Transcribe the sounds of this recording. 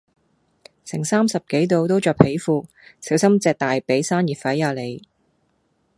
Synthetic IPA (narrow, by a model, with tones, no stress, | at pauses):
sʰɪ˨˩ŋsaː˥msɐ˨p̚ke˨˥jt̪o˧wt̪o˥wt͡ʃɔː˨˧kphe˨˥jfuː˧ | si˨˥wsɐ˥mt͡sɛː˧k̚t̪aː˨jpe˨˥jsaː˥njiː˨t̚fɐ˨˥jːaː˨˧le˨˧j